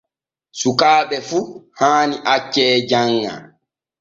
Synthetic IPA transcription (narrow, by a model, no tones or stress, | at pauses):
sukaːɓɛfuhaːniʔat͡ʃːɛd͡ʒaŋːa̰